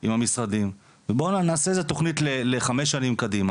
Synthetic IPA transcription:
imhamisʁadim | vebo̞nanaːseezet̪o̞χnitleleχame̞ʃ̬ːanimkadima

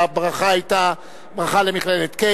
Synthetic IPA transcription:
bʁaχaajt̪a | bʁaχale̞miχlelet̪ke

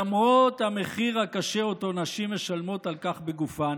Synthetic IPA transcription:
mʁot̪hame̞χiʁhakaʃeoto̞naʃimeʃalmo̞talkaχbeɡufan

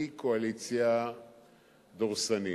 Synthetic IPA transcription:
ikoalit͡sja | d̪oʁsani

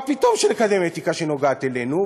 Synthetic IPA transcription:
pit̪omʃenekad̪emet̪ikaʃeno̞ɡaːt̪elenu

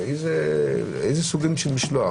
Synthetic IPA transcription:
ejze | ejzesuɡimʃelmiʃloa

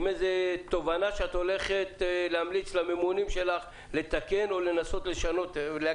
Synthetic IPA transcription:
mezet̪o̞vanaʃeat̪o̞le̞χet̪leamlit͡slamemunimʃe̞laχ | le̞t̪ake̞no̞le̞naso̞t̪le̞ʃano̞t̪le

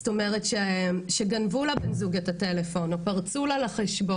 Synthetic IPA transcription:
sto̞meʁetʃeʃeɡanvulabenzuɡetatelefo̞nopaʁt͡sulalaχeʃbo

